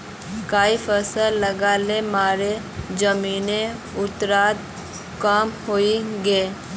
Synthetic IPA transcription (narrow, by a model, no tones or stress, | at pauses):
kaːifəsələɡaːlemaːɾe | d͡ʒəmiːnẽ | ʊt̪ɾaːt̪̚ | kaːmhoːiɡəe